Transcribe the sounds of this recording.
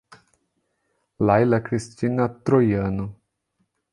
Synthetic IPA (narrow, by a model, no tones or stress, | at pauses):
lajlakɾist̪ʲinat̪ɾojanu